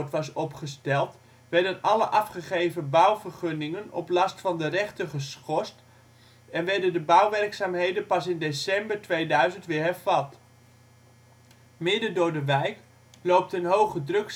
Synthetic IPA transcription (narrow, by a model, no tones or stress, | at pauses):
tʋɑsɔpχəstɛlˠt | ʋɛɹdənɑləʔɑfχəχejvəbʌwvəɹχɵnɪŋənɔ̰plɑstfɑndərɛχtəχəsχɔst | ɛnʋɛɹdəndəbʌwʋɛrksaːmɦejdənpɑsɪndesɛmbəɹtʋejdœɥzəntʋɪːɹɦɛɹv̥ɑt | mɪdədʊːɹdəʋɛjk | lowp̚tənɦowχədrɵks